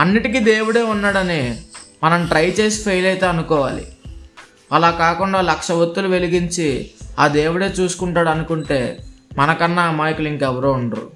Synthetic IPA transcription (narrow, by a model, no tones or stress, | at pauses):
ɐnːiʈikid̪eːwuɽe̞ːunːaːɽɐnimɐnɐmʈɾɐjt͡ʃe̞ːs̬i̥pʰɐjlɐjit̪e̞ːɐnukɔːʋa̰ːlḭ | ɐlaːkaːkuɳɖaːlɐkʂɐʋot̪ːuluʋe̞liɡiɲt͡ʃiaːd̪eːwuɽe̞ːt͡ʃuːsu̥kuɳʈaːɽɐnukuɳʈe̞ːmɐnɐkɐnːaːmaːjikuliŋkɛʋɐɾoːuɳɐɾṵ